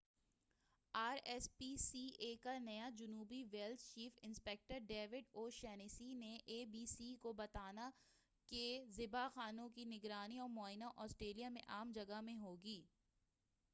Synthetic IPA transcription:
aːɾɛːspiːsiːʔeːkanɐjad͡ʒʊnuːbiʋeːlt̪t͡ʃiːfɪ̃nspɛk̚ʈəɾɖeːʋɪɖoːʃɛːnisineʔeːbiːsikobɐt̪aːna | kezɪbaxaːnõkinɪɡɾaːniɔːɾmɔːɪnaʔɔːsʈɾeːlijamḛ̃ʔaːmd͡ʒɐɡamẽɦoːɡiː

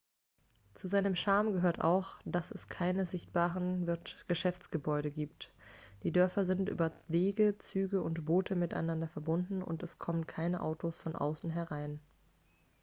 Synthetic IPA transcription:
t͡suzaɪnəmʃaɐmɡəɦøːɐtʔa̰ʊxd̥asɛskʰaɪnəzɪçt̚b̥aːʁənvɪɐtɡ̥əʃɛft͡sɡ̥əbɔʏɾəɡiːptd̥iːdœɐfɐzɪntʔy̰ːbɐveːɡət͡syːɡəʔʊntb̥oːtʰəmɪta̰ɪnandɐfɛɐbʊndn̩ʊ̰ntɛskʰɔmənkʰaɪnəʔa̰ʊtʰosfɔnʔa̰ʊsn̩ɦɛɐʁaɪn

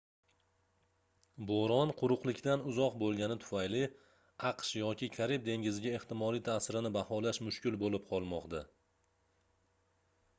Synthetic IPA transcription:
boɾɒnqʰʊɾʊqlˠɪkʲd̪anʊzɒqbolˠɡʲanɪt̪ʰʊ̥fajlɪ | ɑqʃjɒkʲɪkʲʰaɾip̚d̪e̞ŋɡʲɪzɪɡʲae̞ht̪ɪmɒlijt̪ʰasɪɾɪnɪbahɒlaʃmʊʃkʲɪlbolɪp̚qʰɒlˠmɒqt̪a

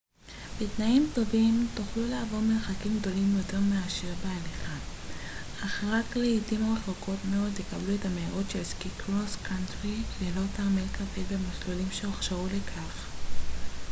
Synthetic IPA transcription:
b̥etnaimto̞vimtuχluleavo̞ʁmelχakimɡd̪o̞limjote̞ʁmeaʃiʁbealiχa | aχaʁatkleitimaʁeχoko̞tmeo̞d̪jekabluetameiʁo̞tʃelskikʰʁoskantʁilelotamelkʰafebemaslolimʃeoχʃaʁulekʰaχ

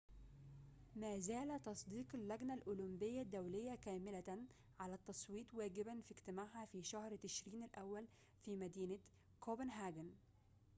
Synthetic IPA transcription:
mæːzæːlat̪ɑsˤd̪iːqɪlːæɡnalʔʊlʊmbɪjːad̪ːawlɪjːakæːmɪla | ʕalæt̪ːɑsˤwiːt̪ˤwæːɡɪbanfiɡt̪ɪmaːʕhafiːʃahɾt̪ɪʃɾiːnɪlʔæwːæl | fiːmæd̪iːna | kʰobɪnɦaːɡɪn

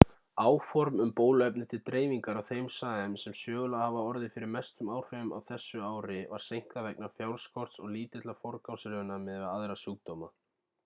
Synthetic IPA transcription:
aːwfɔɾmʏmpoːwlɛpnʏt̪ʰɪlt̪ɾeːjviŋkaɾawθejmsaːɛmsɛmsjœːɣʏlahavaɔɾðɪfɪɾɪɾmɛst̪ʏmaːwr̥fɪʏma̰wθɛsːʏaːwɾɪva̰ɾ̥sejŋ̥k̪avɛknḁfjawɾ̥skɔr̥t̪sɔɣliːt̪ɪt̪lafɔɾkawsɪɾʏʏnamɛðaaðɾasuːk̚t̪owma

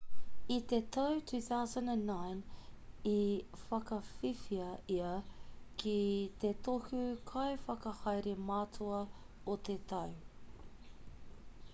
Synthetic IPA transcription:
it̪etʰɐwtʰʉːθawzə̃ndæ̃nːãjnifɐkɐfifiɐiɐkʰit̪etohʉkʰɐjfɐkɐhɐjɾemaːtʰoɐ | ot̪ʰetʰɐw

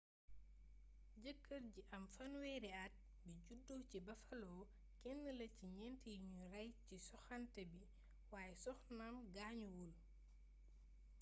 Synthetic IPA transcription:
ɟəkːəɾɟiʔɐmfɐnwɛɾiat̚ | biɟudːohcibɐfɐlɔː | kɛnːəlɐciɲɛntijɲurɐjcisɔxantɐbi | waːjɛsɔxnamɡaːɲuwul

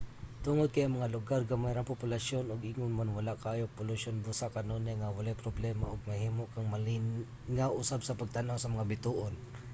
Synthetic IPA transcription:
t̪ʊŋod̪̚kajʔɐŋmɐŋalʊɡarɡamajɾaŋpʊpʊlaʃonʊɡʔiːŋʊnmanwalaʔkaːjok̚pʊlʊʃonbusakɐnonɛŋawalajpɾoblɛmaʔʊɡ̚mɐhiːmoʔkaŋma | ŋaʔʊsabsapaɡ̚t̪anawsɐmɐŋabɪt̪uʔon

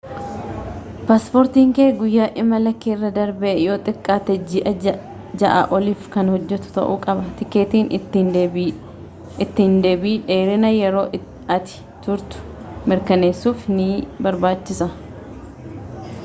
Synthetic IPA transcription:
paːspoːɾt̪iːŋkeːɡʊjːaːʔɪmːɐlɐkːeːɪrːɐd̪ɐɾbɛʔɛjo̞ːt̪ʼɪkʼːaːt̪ɛd͡ʒɪʔɐ | d͡ʒɐʔa̰ʔɔliːfkɐnhɔd͡ʒːɛt̪ʊ̥t̪ɐ̰ʔuːkʼɐbɐt̪ɪkːeːt̪iːn | ɪt̪ːɪnd̪e̞ːbiːᶑe̞ːɾɪnɐjɛɾo̞ː | ɐt̪ɪ̥ | t̪ʊɾt̪ʊ̥ | mɪɾkɐne̞ːsːuːfnɪbɐɾbaːt͡ʃːɪsɐ

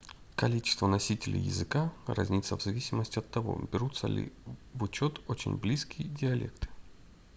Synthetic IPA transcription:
kɐlʲit͡ɕɪ̥st̪vənɐsʲitʲɪlʲɪ̰jɪ̰zɨkarʔa̰zʲnʲit̪sːəvzɐvʲisʲɪməsʲtʲɪɐt̪ːɐvo̞̰bʲɪɾut̪sə̰lʲɪ̰vʊt͡ɕot̪ot͡ɕɪ̰nʲblʲiskʲijdʲɪɐlʲḛkt̪ɨ̥

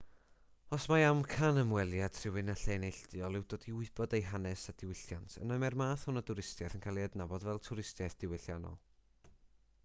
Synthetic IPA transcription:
ɔsmaamkʰanəmwɛlˠjad̥ʰr̥ɪwɨnaɬeːnejɬd̥ɨɔlˠɪwd̥oːdiʊɨb̥ɔdejɦanɛsadɪwɪɬjantʰə̰namɛrmaːθhʊnadʊɾɪstjajθənkʰajlˠiədnabɔdvɛlˠtʰʊɾɪstjajθd̥ɪwɪɬjanɔ̰lˠ

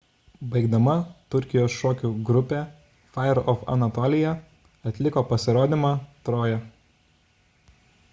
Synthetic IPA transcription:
bɐɪɡd̪ɐmɐt̪ʊɾʲkʲɪjoːsʃoːkʲuːɡɾʊpʲe | fɑɪɛɾɔfɐ̰nɐt̪ɔːlʲɪjɛ | ɐt̪ʲlʲɪkoːpɐsʲɪɾoːd̪ʲimɑt̪ɾoːjɛ

